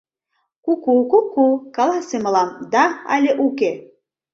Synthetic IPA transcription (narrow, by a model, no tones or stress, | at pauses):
kukukukːukɑlˠɑsʲemɤlˠɑmd̪ɑa̰lʲeʔuke